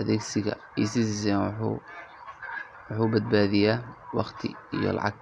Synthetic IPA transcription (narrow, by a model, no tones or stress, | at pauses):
ʔɐðɛːɡsɪɣɐ̰ | iːsɪsɪs̬ɛːnː | wʊħuːbɐd̪̚baːðɪjaːwɑqt̪ʰɪ̰ijɔ̰lɑ̰ʕɑ̰ɡ̚